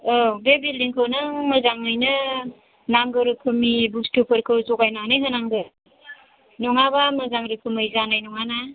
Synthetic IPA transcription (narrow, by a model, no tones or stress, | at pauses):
obebiliŋkʰɯwnɯmɯzaŋɯjnɯ | naŋɡɯɾɯkʰɯmibustupʰɯɾkʰɯwzɔkajnanɯɦɯnaŋɡɯ | nɔŋabamɯzaŋɾɯkʰɯmɯjzanajnɔŋana